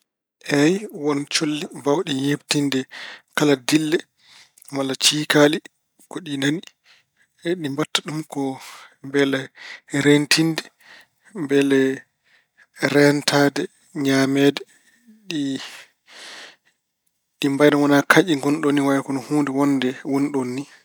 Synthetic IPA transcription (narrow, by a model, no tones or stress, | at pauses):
ʔɛjwɔnt͡ʃolːibawɗijeptindɛkaladilːɛ | malːat͡ʃiːkali | kɔɗinani | ɗimbatːaɗumkɔmbɛlɛɾentindɛ | mbɛlɛ | ɾɛntʰaːdɛ | ɲamɛːdɛ | ɗi | ɗimbajɗawanakʰaʔiŋɡɔnɗonːiwajakɔnɔhundɛwɔndɛwonɗonːi